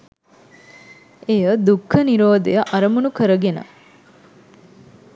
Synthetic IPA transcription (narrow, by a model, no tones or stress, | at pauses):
ejəd̪ukʰːəniɾoːd̪ḛjəʔɐɾəmunukəɾəɡenə̰